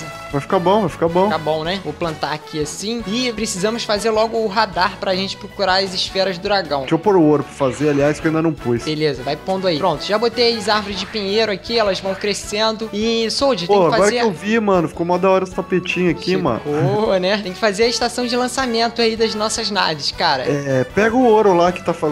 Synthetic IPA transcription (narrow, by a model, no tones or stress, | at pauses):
zɐ | vajfi̥kabõw̃vajfi̥kabõw̃kabõw̃nɛvoplɐ̃nt̪aːkʰʲiasĩɪpɾesizɐ̃mʊsfazeɾlɔɡʊːɦad̪aɾpɾɐːʒẽnt͡ʃɪ̥pɾokuɾaɾɐzɪʃfɛɾɐzd̪ʊɾaɡɐ̃w̃ĩpoɾoɾʊpɾɐfazealiajskowĩd̪ɐnɐ̃w̃pujsbelezɐvajpõd̪ʊaipɾõt̪ʊ̥ʒabot̪ejzaɾvʊɾɪzd͡ʒɪpiɲeɾʊakiɛlɐzvɐ̃w̃kɾesẽnd̪ʊɪsowd͡ʒɪt̪ẽkaɡɪfaɔzɾɐkeɾewvimɐ̃nʊfi̥komɔd̪ɐɔɾɐɪ̥t̪apet͡ʃĩɲʊakimɐ̰̃nbonɛt̪ẽj̃kɪfazeɾɐɪʃt̪asɐ̃w̃d͡ʒɪlɐ̃samẽnt̪ʊaid̪ɐznɔsɐznavɪskaɾɐ̰ɛpɛɡʊʊoɾʊlakɪ̥t̪afa